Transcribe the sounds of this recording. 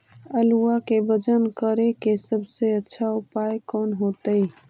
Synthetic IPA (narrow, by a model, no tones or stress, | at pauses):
əluakebəd͡ʒənkəɾekesəbseətːʃʰaʊpajkɔːnɦot̪əj